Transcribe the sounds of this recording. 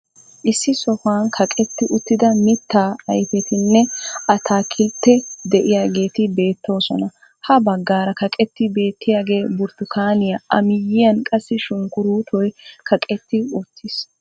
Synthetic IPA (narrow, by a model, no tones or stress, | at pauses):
ʔɪsːɪsɔfaːnkʰɐkʼɛt̪ːɪʔʊt̪ːɪd̪ɐmɪt̪ːaːɐjfɛt̪ʰɪnːɛɐt̪ʰaːkʰʼɪlt̪ːɛd̪ɛʔɪjaːɡe̞ːt̪ɪbe̞ːt̪ːo̞ːsɔnɐ | hɐbɐɡːaːɾɐkɐkʼɛt̪ːɪbe̞ːt̪ːɪjaːɡe̞ːbʊɾt̪ʊkaːnɪjaʔɐmɪjːɪjɐnkʼɐsːɪʃʊŋkʊɾuːt̪ʰɔjkʰɐkʼɛt̪ːɪʊt̪ʰːɪs